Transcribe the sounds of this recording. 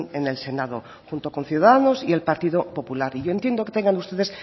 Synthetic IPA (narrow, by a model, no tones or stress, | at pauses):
nene̞lse̞nað̞o̰ | xunt̪o̞ko̞nθjuðaðano̞sie̞lpaɾt̪iðopo̞pulaɾiʝo̞ent̪je̞nd̪o̞ket̪e̞ŋɡand̪eust̪e̞ðe̞s